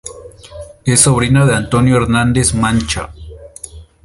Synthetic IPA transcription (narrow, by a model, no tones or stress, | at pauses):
esːoβɾinaðeant̪onjoeɾnand̪esmant͡ʃa̰